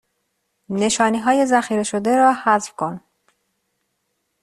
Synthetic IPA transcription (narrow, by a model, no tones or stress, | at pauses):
ne̞ʃɒːniːɦɒːje̞zæxiːɾeʃod̪e̞ɾɒːhæzfkʰon